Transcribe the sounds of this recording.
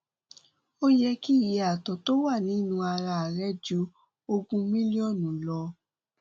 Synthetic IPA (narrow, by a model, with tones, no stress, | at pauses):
o˦jɛ˧ki˦˨ji˨a˨tɔ˨to˦wa˦˨nĩ˨˦nũ˧a˧ɾa˧˨a˨ɾɛ˦d͡ʒu˨˦ | o˧ɡũ˧mĩ˦li˦ɔ˦˨nũ˨lɔ˧